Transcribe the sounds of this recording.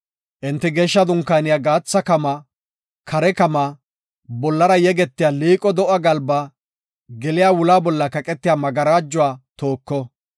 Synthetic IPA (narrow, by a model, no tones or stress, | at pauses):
ʔɪnt̪ːɪɡɛːʃːɐd̪ʊŋkːaːnɪjaːɡaːt͡sːɐkɐma | kʰɐɾɛkɐma | bɔlːɐɾɐjɛɡɛt̪ːɪjaːliːkʼɔd̪ɔʔɐɡɐlba | ɡɛlɪjaːwʊlaːbɔlːɐkɐkʼɛt̪ːɪjaːmɐɡɐɾaːd͡ʒːʊwaːt̪oːkːɔ